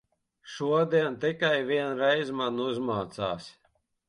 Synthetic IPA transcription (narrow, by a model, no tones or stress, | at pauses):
ʃuɔd̪iɛnt̪ikajviɛnɾɛjzmanuzmaːt̪saːsʲ